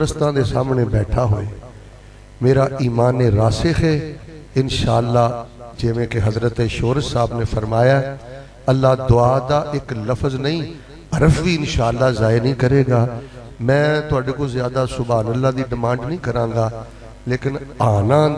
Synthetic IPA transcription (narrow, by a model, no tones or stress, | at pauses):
ɾəst̪ãːd̪eːsaːmɳeːbɛːʈʰaːɦo̰ːeː | meːɾaːiːmaːnːeːɾaːsexeː | ɪnʃaːəlːaːd͡ʒɪʋẽːkeɦəzɾət̪eʃoːɾəd͡ʒsaːbneːfʰəɾmaːjaɛ | əlːaːd̪ʊaːd̪aːʔɪkləfʰznəĩː | əɾəfʋiːɪnʃaːəlːaːzaːenəĩːkəɾeːɡaː | mɛ̃ːt̪ʊaːɖeːkoːzɪjaːd̪aːsʊbaːnəlːaːd̪iːɖɪmãːɳɖnəĩːkəɾãːŋɡaː | leːkɪnaːnãː